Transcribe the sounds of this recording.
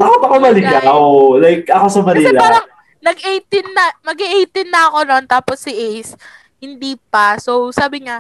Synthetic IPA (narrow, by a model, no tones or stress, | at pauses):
baːkɪt̪ɐkomɐlɪɡɐkɐʔolajk̚ʔɐko̞sɐmɐniːlɐaːɾɐŋ | nɐɡʔejt̪ɪnːɐmɐɡiʔejt̪ɪnːɐʔɐko̞no̞nt̪aːposːɪʔejs | hɪnd̪iːp̚ɐsowsaːbɪŋa